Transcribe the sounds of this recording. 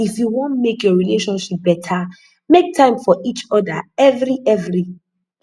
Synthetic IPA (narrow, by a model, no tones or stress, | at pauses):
ifjuwɔ̃ntmekjɔɹileʃɔ̃nʃip̚b̥ɛtʰa | mek̚tʰãɪ̃mfɔʔit͡ʃɔdaɛvɹiʔɛvɹi